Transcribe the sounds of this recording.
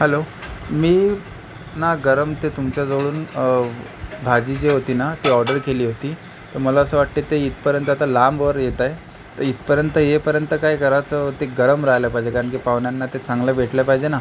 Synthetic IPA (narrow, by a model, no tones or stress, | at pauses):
ɦɛlomiː | naɡəɾəmt̪et̪umt͡ɕjad͡zoɭuːn | bʱad͡ʑiːd͡ʑeɦot̪iːnat̪iɔɾɖəɾkeliːɦot̪iːt̪əɾməlaəsəːʋaʈt̪iːt̪eit̪pəɾjənt̪əat̪alamʋəɾjet̪aj | t̪əit̪pəɾjənt̪əjepəɾjənt̪əkajkəɾat͡sət̪eɡəɾəmɾaɦləpaɦid͡ʑekaɾəɳk̬iːpaʋɳjanːat̪et͡sãŋɡləʋʱeʈləpaid͡ʑena